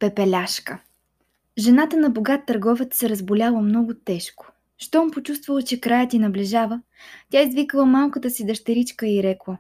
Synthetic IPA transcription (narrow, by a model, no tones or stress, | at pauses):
pɛpɛlʲaʃkə | ʒɛnat̪ənɐboɡat̪ːɐɾɡɔvɛt̪sɛɾəzbolʲalˠəmnɔɡʊt̪ɛʃko̥ | ʃt̪ɔmpot͡ʃust̪vɐlˠət͡ʃɛkɾajət̪inɐblɛʒavə | tʲjaizvikəlˠəmalˠkət̪əsid̪ɐʃt̪ɛɾit͡ʃkəiɾɛklˠə